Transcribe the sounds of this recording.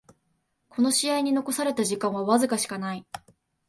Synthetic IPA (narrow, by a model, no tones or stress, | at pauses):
kʰo̞no̞ɕiaiɲ̟ino̞ko̞saɾe̞t̪aʑikãɰ̃βaβazɨkaɕi̥kanai